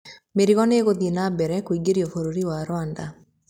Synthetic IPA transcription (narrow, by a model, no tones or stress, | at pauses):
meɾiɣɔneɣod̪inabɛɾɛkwiɡeɾjɔfoɾoɾiwaɾwand̪a